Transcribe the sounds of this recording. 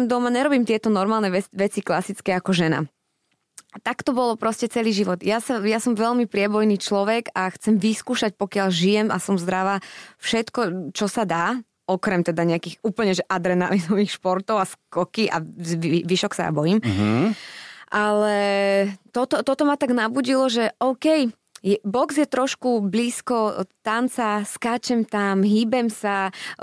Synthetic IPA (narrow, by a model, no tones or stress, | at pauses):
md̪ɔmaɲɛɾɔbiːmt̪ɪɛt̪ɔnɔɾmaːlnɛɛʋɛt͡siklasit͡skɛakɔʒɛna̰ | t̪akt̪ɔbɔlɔpɾɔscɛt͡sɛliːʒiʋɔd̪jasajasɔmʋɛʎmipɾɪɛbɔjniːt͡ʃlɔʋɛɡaxt͡sɛmʋiskuːʃac̚pɔkɪaʎʒijɛmasɔmzd̪ɾaʋaːfʃɛt̪kɔt͡ʃɔsad̪aː | ɔkɾɛmt̪ɛd̪aɲɛakiːxuːpl̩ɲɛʒɛʔad̪ɾɛna̰lizɔʋiːxʃpɔɾt̪ɔʊaskɔkiʔa̰ʋiiʋiʃɔksa̰ja̰bɔjim | ʔalɛ | t̪ɔt̪ɔt̪ɔt̪ɔmat̪aɡnabuːɟilɔʒɛʔɔʊkɛj | jɛbɔɡzjɛt̪ɾɔʃkubliːskɔt̪ant͡saskaːt͡ʃɛmt̪amɦiːbɛmsa